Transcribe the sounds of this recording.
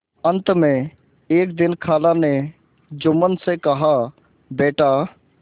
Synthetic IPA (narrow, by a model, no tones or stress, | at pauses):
ə̃nt̪mẽ | eːk̚d̪ɪnkʰaːlane | d͡ʒʊmənsekɐɦa | beːʈʰa